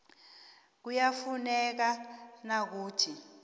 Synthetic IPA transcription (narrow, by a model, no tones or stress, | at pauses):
k̬ujafunɛk̬anak̬uːtʰi